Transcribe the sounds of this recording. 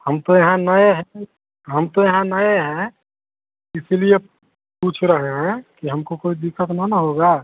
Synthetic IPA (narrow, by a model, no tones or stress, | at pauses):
həmt̪ojɐɦãnəeɦɛ̃ | ɦəmt̪ojɐɦãnəeɦɛ̃ | ɪsilie | puːt͡ʃʰɾəɦeɦɛ̃kiɦəmkokoːid̪ɪkːət̪nənəɦoɡa